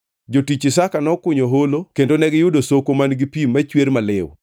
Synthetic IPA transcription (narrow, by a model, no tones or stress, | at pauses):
d͡ʒotit͡ʃɪsakanɔkʊɲoɦolokendonɛɡɪjʊdosokomanɡipimːat͡ʃweɾmalɪw